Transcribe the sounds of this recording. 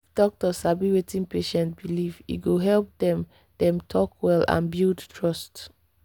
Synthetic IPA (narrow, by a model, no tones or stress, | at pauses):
fd̥ɔk̚tɔsabiwetĩnpeʃɛ̃nt̚bilivḭɡoɦɛlp̚dɛ̃m | dɛ̃mtʰɔkʰwɛlã̰nbildtʰɹɔst